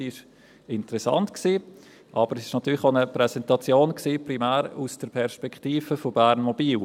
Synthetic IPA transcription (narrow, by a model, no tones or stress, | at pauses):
iʃ | ɪntəɾɛsɑ̰ntksiː | ʔɑb̥əɾɛsɪ̥ʃnɑtyːɾlɪxonəpɾɛsɛntɑt͡sjoːnksiːpʁimæːɾusd̥əɾpʰɛɾʃpɛkχtiːfəfobæːɾnmɔbiːl